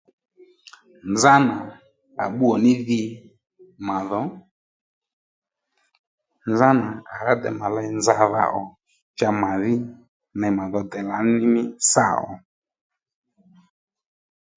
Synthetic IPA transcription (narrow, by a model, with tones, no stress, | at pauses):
nd͡za˦na˨ | a̰˨ɓu˦ɔ˨nɪ˦ði˧ | ma˨ðɔ˨˦ | nd͡za˦na˨a˨ɾa˦dɛ̰˨ma˨la˧˦nd͡za˧ða̰˦˨ʔɔ˨ | t͡ʃa˧ma˨ðɪ˦ | nɛ˨ma˨ðɔ˨dɛ˨la˨˦nɪ˦mɪ˦sa˦˨ɔ̰˨